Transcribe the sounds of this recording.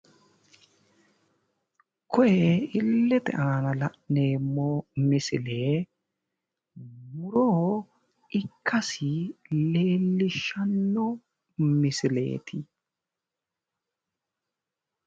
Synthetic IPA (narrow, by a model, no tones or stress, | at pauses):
kʰɔʔɛɪlːɛt̪ɛ̰ʔɐnɐlɐʔne̞ːmːoːmɪsɪleː | mʊɾoː | ɪkʰːɐsɪleːlːɪʃɐnːɔ | mɪsɪle̞̰ːt̪ʰɪ